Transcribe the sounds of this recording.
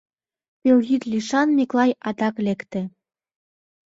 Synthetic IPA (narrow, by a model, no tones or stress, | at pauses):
pʲewɣit̪lʲiʃɑnmiklˠɑjɑd̪ɑklʲekt̪ĕ